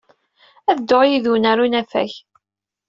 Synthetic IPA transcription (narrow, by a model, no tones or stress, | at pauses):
æðd̪ːoʁjiðunaɾunæfæ̰ç